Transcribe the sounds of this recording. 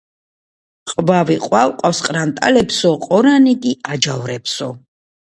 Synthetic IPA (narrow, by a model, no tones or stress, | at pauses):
qʼvaviqʼwawqʼafsqʼɾant̪ʼa̰lɛpsɔqʼɔɾaniɡiad͡ʒavɾɛpsɔ